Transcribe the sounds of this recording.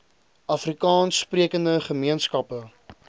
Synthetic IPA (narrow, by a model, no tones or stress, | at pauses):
ʔɐfrikɑːnspriəkəndəχəmiənskɐpə